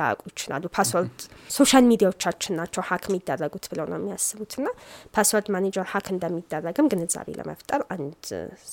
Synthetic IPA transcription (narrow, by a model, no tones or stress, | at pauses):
a̰kʼujɪt͡ʃːɪla̰lːupʰaswəɾd̪so̞ʃalmid̪ijawo̞t͡ʃːat͡ʃːɪnːat͡ʃːɛwhakʰmːid̪ːərːəɡut̪bɨləwnə̰jɛmːijasːɨβut̪ʰɨnːapʰaswəld̪maned͡ʒəɾhakʰɨnd̪əmːid̪ːərːəɡɨmɡɨnɨza̰βḛlʔə̰mʔə̰ft̪ʼəɾʔand̪